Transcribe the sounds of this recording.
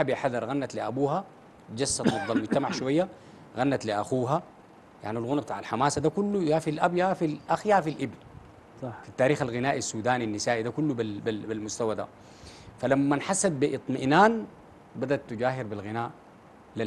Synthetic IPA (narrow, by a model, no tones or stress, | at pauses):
abiħaðɑɾˤɣanːat̪liʔabuːɦa | d͡ʒasːat̪nɑd̪ˤːɑlmud͡ʒt̪amaʕʃuwajːa | ɣanːat̪liʔaxuːɦa | ja̰ʕnilɣunabt̪aːʕalħamaːsad̪akulːujaːfilʔabjafilʔaxijafilʔibn | fit̪ːaːɾiːxalɣinaːʔisːuːd̪aːninːisaːʔid̪akulːubibibilmust̪awad̪a̰ | falamːanħasːad̪̚biʔɨt̪ˤmiʔnaːn | bad̪at̪ːud͡ʒaːɦiɾbilɣinaːʔ | li